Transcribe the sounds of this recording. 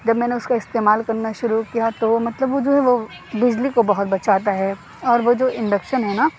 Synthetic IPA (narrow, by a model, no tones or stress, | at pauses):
d͡ʒɐbmɛːneʊskaɪst̪eːmaːlkɐɾnaʃʊɾukijat̪omɐt̪ləbʋod͡ʒoːɦɛʋo | bɪd͡ʒlikobɐɦʊt̪bɐt͡ʃaːt̪aɦɛ | ɔːɾʋod͡ʒoːʔɪ̃ɳɖəkʃənɦɛna